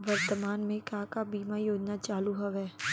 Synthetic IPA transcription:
ʋɐɾt̪əmaːnmẽkaːkabiːmajoːd͡ʒnat͡ʃaːluɦɐʋɦɛː

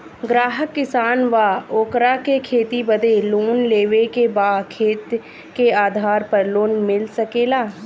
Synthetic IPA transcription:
ɡɾaːɦəkːɪsaːnʋaːoːkɾaːkekʰeːt̪ibəd̪eloːnleːʋekebaːkʰeːt̪ | keaːd̪ʱaːɾpəɾloːnmɪlsəkeːlaː

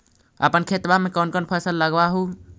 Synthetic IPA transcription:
ə̰pənkʰet̪bamẽkɔnkənpʰəsəlːəɡbaɦu

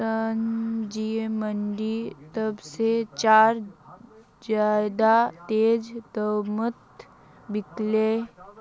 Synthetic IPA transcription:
ənd͡ʒieməɳɖit̪əbset͡ʃaːɾ | d͡ʒad̪at̪eːd͡ʒd̪əwmət̪ | bɪkle

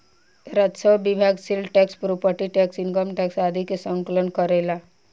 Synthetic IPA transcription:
ɾət̪səwbibʱaɡsilɖʈɛkspɾopəʈiʈɛksiŋkəmʈɛksad̪ʱikjesəŋklənkəɾela

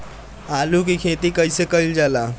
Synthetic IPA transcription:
aːluk̬ikʰeːt̪ikəisekəild͡ʒaːlaː

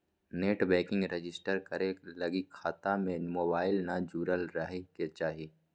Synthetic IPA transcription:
neːʈbɛ̃ːkɪ̃ŋɡɾed͡ʒɪsʈəɾkɐɾelɐɡikʰaːt̪amẽmoːbaːɪlnad͡ʒuːɾəlɾɐɦeket͡ʃaːɦieː

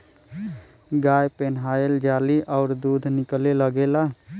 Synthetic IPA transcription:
ɡajpenɦaeld͡ʒaliʔɔʊɾd̪ud̪ʱnikleləɡelaɦ

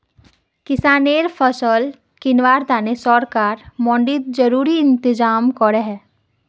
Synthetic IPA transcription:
kɪsaːneːɾpʰəsəl | kɪnʋaːɾt̪aːnesɔːɾkaːɾmɔ̃ːɳɖit̪̚d͡ʒɐɾuːɾiɪ̃nt̪ɪd͡ʒaːmkɔɾeɦɛ

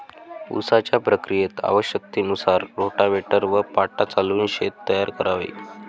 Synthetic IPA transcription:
ṵsat͡ɕjapɾəkɾijet̪a̰ʋəɕjək̚t̪iːnusaɾɾoʈaʋeʈəɾʋəpaʈat͡saluːnɕet̪ːəjaɾkəɾaʋḭ

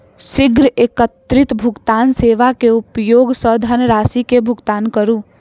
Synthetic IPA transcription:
sɪɡɾəeːkət̪ɾɪt̪bʱʊɡt̪aːnseːʋakeʊpjoːɡsəd̪ʱənɾaːsikebʱʊɡt̪aːnkəɾũː

